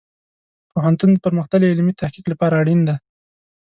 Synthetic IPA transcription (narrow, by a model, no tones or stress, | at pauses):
poɦant̪und̪əpəɾməxt̪əleɪlmit̪ahkiklapɑɾaːɽind̪a